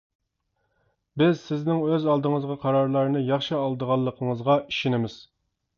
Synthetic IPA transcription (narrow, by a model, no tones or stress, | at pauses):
bɪzsɪznɪŋøzɑlˠd̪əŋəzʁɑqʰɑɾɑɾlˠɑɾnɨjɑχʃɨɑlˠd̪əʁɑlˠːəqʰəŋəzʁɑiʃinɪmɪz̥